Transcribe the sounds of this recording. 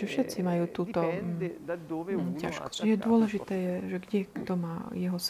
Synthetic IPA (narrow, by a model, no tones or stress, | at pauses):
ɛfʃɛt̪t͡simajuːt̪uːt̪ɔ | ca̰ʃkɔ̥scjɛd̪ʊɔlɛʒit̪ɛːjɛʒɛɡɟɛkt̪ɔmaːjɛɦɔs